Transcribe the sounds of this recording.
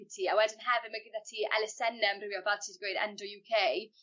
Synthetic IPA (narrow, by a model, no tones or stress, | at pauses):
tʰiːawɛdɪnɦɛvɪmaɡɪndatʰiːʔɛ̰lɛsɛnəmrɪwjɔvaltʰɪdɡwejna̰ndɔjuːkʰej